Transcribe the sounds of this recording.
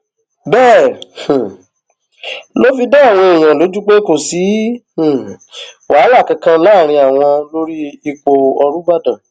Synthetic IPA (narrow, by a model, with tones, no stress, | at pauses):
bɛ̃ː˦˨ | lo˦fi˧da˦a˦˨w̃ɔ̃˧e˨j̃ã˨lo˨˦d͡ʒu˦ɡ͡be˦ko˨sĩ˨˦˨ | wʔaː˨˦la˦˨kã˧kã˦la˦˨ɾ̃ĩ˧a˨w̃ɔ̃˧lo˦ɾi˦i˧k͡po˨ɔ˧ɾu˦ba˦˨dã˨